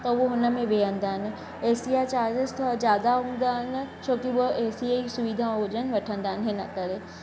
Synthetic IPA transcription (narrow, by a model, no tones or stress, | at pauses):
t̪ɐʊɦoɦʊnə̆mẽʋeːə̃nd̪aːɦɪnɪ̆ | eːsiat͡ɕaːɾd͡ʑɪst̪ʰozjaːd̪aɦũːnd̪aɦɪnɪ̆t͡ɕʰoːkiuoʔeːsiaisʊʋid̪ʱãɦʊd͡ʑənɪ̆ʋɐʈʰə̃nd̪aːɦɪnɦenɐ̰kɐɾeː